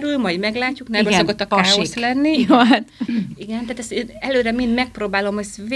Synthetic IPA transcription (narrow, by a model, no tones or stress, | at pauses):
ɾylmɒjimɛɡlaːcːuknɛbøːsokot̪ːɒkaːoslɛnːioat̪iɡɛnt̪ɛaːt̪ɛst̪eːnɛløːɾɛmind̪mɛk̚proːbaːlo̞møsv